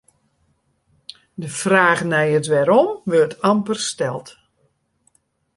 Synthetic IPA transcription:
dəfraːɣnɛjətʋɛɾɔmʋøtɑmpərstɛlˠt

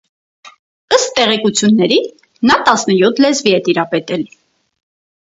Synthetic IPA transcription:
əst̪ːɛʁɛkut͡sʰjunːɛɾi | nɑt̪ɑsnəjɔt̪ʰlɛzviɛt̪iɾɑpɛt̪ɛl

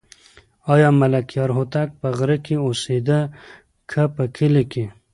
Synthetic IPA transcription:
ɑjɑmɐlɐkjɑɾɦot̪ak̚pəɣɾəkiosed̪ə | kʰəpəkʰileki

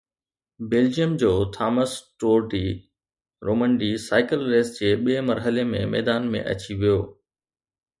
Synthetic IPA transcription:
beːld͡ʑijəmd͡ʑoːt̪ʰaːməsʈoːɾɖiː | ɾoːmə̃ɳɖisaːɪkəlɾeːsd͡ʑeːɓiemɐɾɦəlemḛ̃mɛ̰ːd̪aːnmḛ̃ʔɐ̰t͡ɕiʋijoː

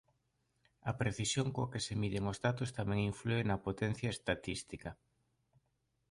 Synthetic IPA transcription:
ɐpɾeθisjoŋkoakesemiðeŋozðat̪ost̪amɛ̃ŋiɱfluenɐpot̪ɛn̟θjɐest̪at̪ist̪ikɐ

